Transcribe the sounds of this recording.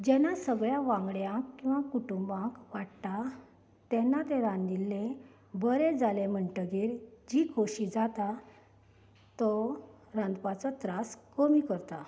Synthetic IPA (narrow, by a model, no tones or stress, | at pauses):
d͡ʑɛnasəɡɭjaʋãŋɡɭjãkkːĩw̃ʋakuʈumbãkʋaʈt̪a | t̪ɛnːat̪eɾãnd̪ilːẽ | bəɾed͡zalem̤əɳʈəɡeɾd͡ʑikʰoɕid͡zat̪a | t̪ɔ | ɾãnd̪pat͡sɔt̪ɾaskəmikəɾt̪a